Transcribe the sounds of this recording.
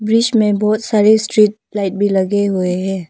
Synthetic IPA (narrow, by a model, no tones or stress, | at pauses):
bɾɪd͡ʒmẽbɔːt̪saːɾesʈɾiːʈ̚ | laːɪʈ̚bʱilɐɡeɦʊeɦɛ̃ː